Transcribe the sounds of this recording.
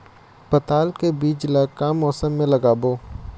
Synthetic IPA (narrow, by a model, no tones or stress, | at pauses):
pɐt̪aːlkebiːt͡ʃlakaːmːɔːsəmːẽlɐɡaːboː